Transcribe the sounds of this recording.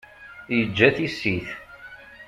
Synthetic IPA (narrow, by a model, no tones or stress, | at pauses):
jəd͡ʒːæθisːiθ